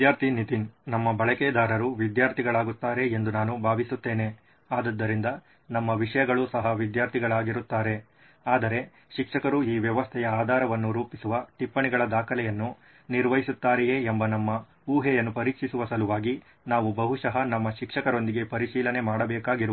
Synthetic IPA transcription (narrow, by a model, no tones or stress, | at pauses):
d̪jaːɾt̪ʰinit̪innɐmːɐbɐɭɐkɛːd̪aːɾɐɾuʋid̪jaːɾt̪ʰiɡɐɭaːɡut̪ːaːɾe̞end̪unaːnubʱaːʋisut̪ːe̞ːne̞ | aːd̪ɐd̪ːɐɾind̪ɐ | nɐmːɐʋiʂɐjɐɡɐɭusɐɦɐʋid̪jaːɾt̪ʰiɡɐɭaːɡiɾut̪ːaːɾe̞ | aːd̪ɐɾe̞ | ʃikʂɐkɐɾuiːʋjɐʋɐst̪ʰɛjɐaːd̪ʱaːɾɐʋɐnːuɾuːpisuʋɐʈipːɐɳiɡɐɭɐd̪aːkʰɐlɛjɐnːu | niɾʋɐɦjisut̪ːaːɾɛjeːembɐnɐmːɐ | uːɦɛjɐnːupɐɾiːkʂisuʋɐsɐluʋaːɡi | naːʋubɐɦuʂɐɦɐnɐmːɐʃikʂɐkɐɾo̞nd̪iɡe̞pɐɾiʃiːlɐne̞maːɽɐbɛːkaːɡiɾuʋu